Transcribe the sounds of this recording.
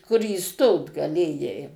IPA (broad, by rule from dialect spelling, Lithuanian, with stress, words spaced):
kʊr iːˈstoːt ɡɐˈlʲeːjɛɪ